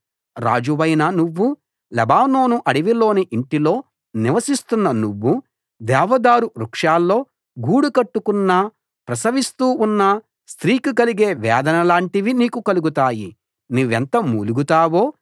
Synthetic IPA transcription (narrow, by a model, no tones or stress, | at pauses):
ɾa̰ːd͡ʒuʋɐjnɐnuʋːu | lɛbaːno̞ːnuʔɐɽiʋilo̞ːniʔiɳʈilo̞ː | niʋɐsist̪unːɐnuʋːu | d̪ɛːʋɐd̪aːɾuɾukʂaːlːo̞ː | ɡuːɽukɐʈːukunːa | pɾɐsɐʋist̪uːunːɐ | st̪ɾiːkikɐliɡeːʋɛːd̪ɐnɐlaːɳʈiʋiniːkukɐluɡut̪aːji | nuʋent̪ɐmuːluɡut̪aːʋoː